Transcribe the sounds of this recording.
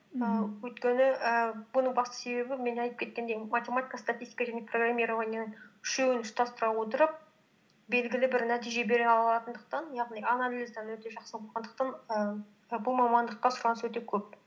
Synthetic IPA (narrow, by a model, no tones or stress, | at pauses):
əwɵjt̪kʲe̞nɪʔəbʊnəɴbɑst̪ə̥se̞be̞bɪme̞nɑjt̪ə̥pkʲʰe̞t̪kʲe̞nd̪ejmatʲemat̪ʲijkəst̪atʲist̪ʲi̥kaʒæneproɡramʲːiɾavɑnenɪnʃewɪnʏst̪ʰɑst̪əɾɑwo̞t̪əɾəp̚ | be̞lɡʲɪlɪbɪɾnæt̪ijʒe̞be̞ɾeɑlˠɑɑt̪ənd̪əq̚t̪ɑnjɑʁnijanalizd̪ɑnwɵt̪e̞ʒɑqsəbolˠʁɑnd̪əqt̪ɑnə | bʊlˠmɑmɑnd̪əqːɑsʊɾɑnəswɵt̪e̞kʲʰɵp̚